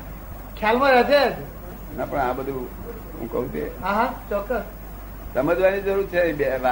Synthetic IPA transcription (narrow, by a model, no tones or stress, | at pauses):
kʰjalmãɾəd͡ʒeəd͡ʒe | napəɳãbəd̪ʱu | ɦṵ̃kə̰ɦũt̪eɦãɦãt͡ʃɔkːəst | t̪əməd͡ʒʋanid͡ʒəɾuɾt͡ʃʰeĩbeʋa